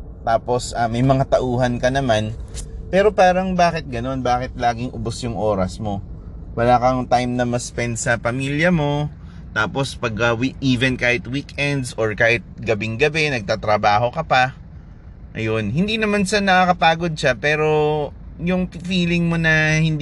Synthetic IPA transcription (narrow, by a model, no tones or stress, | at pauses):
t̪aːpo̞sɐːmɐjmɐŋat̪ɐʔuːhɐnkɐnɐmanpɛːɾo̞paːɾɐŋbaːkɪt̪̚ɡɐno̞nbaːkɪt̪̚laːɡɪŋʔʊbosjʊŋʔoːɾɐsmo̞ | wɐlaːkɐŋt̪ajmnɐmɐspɛnd̪sɐpɐmiljɐmo̞ | t̪aːpo̞spɐɡ̚ɐwiʔiːvɛnkaːhɪt̪wiːkʔɛnd̪soɹkaːhɪt̪̚ɡɐbɪŋɡɐbɛnɐɡ̚t̪aːt̪ɾɐbaːɦo̞kɐpɐ | ʔɐ̰jo̞nhɪnd̪inɐmanʃanɐkɐkɐpaːɡo̞d̪̚ʃapɛːɾo̞ | jʊŋpfiːlɪŋmo̞nɐhɪn